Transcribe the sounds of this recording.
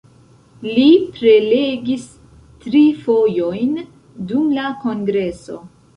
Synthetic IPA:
lipɾe̞leɡis | tɾifo̞jo̞jn | dumlako̞ŋɡɾe̞so̞̰

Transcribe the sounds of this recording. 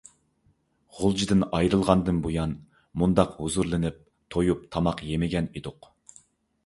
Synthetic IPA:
ʁʊlˠd͡ʒid̪ɪnɑjɾɨlˠʁɑnd̪ɨnbojɑn | mund̪ɑqhuzuɾlˠɨnɪp̚ | t̪ʰojupt̪ʰɑmɑqjemɪɡʲɛnid̪ʊq

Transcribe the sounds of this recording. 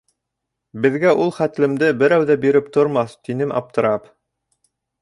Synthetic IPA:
bɘ̆ðɡæʔulˠχæt̪lɘ̆md̪ɘbɘ̆ɾæwðæbiɾɘp̚t̪ŏɾmɑθt̪inɘmʔɑ̰p̚t̪ɤ̆ɾɑp

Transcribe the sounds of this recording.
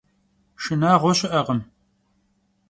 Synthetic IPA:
ʃɨnaːʁʷɔɕɪʔɐʁəm

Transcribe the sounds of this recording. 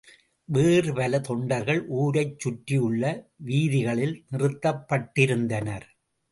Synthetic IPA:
ʋeːrɯpɐlɐt̪ɔɳɖɐɾɣɐɭʔuːɾɐɪt͡ʃːʊʈːɪjɯɭːɐʋiːðɪɣɐɭɪlnɪrɯt̪ːɐpːɐʈːɪɾɯnd̪ɐnɐɾ

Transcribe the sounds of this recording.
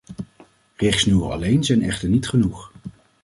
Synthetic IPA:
rɪχsnywə̰ɑ̰lejnzɛjnɛ̰χtəɹnitχənuχ

